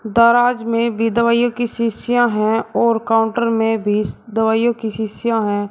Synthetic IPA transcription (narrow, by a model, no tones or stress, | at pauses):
d̪aːɾaːd͡ʒmẽbʱid̪əʋaːjõkiʃɪʃɪjãɦɛ̃ɔːɾkaːʊ̃ɳʈəɾmẽbʱid̪əʋaːjõkiʃɪsjãɦɛ̃ː